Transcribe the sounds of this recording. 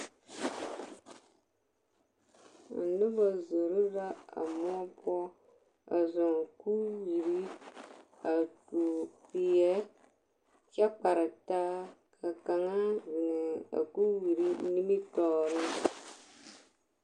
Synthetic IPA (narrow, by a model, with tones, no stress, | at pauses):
a̰˨nu˦ba˨zo˨ɾu˦ɾa˦a̰˨mɔ˦pɔ˦ | a̰˨zɔ˨ŋ˨ku˦wi˨ɾi˦ | a˨tu˨pi˨jɛ˦ | t͡ʃa˦k͡pa˨ɾɪ˨ta˦kʰa˨ka˨ŋa˦zi˨nɛ˨a̰˨ku˦wi˨ɾi˦ni˦mi˦tɔː˦˨ɾɨ˦